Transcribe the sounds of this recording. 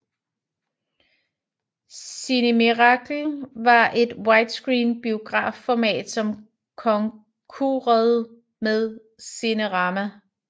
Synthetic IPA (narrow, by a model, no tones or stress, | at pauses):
ssinəmiʁɑ̈ɡ̥l̩ʋɑ̈ʔe̝d̥wɑ̈ɪd̥sɡ̥ʁiːnb̥io̝ɡ̥ʁɑ̰̈ːffɒmɛ̰ːd̥sɒ̽m | kʰɒ̽ŋ | kʰuʁɛðˠ | meðˠ | sinəʁɑ̈mæ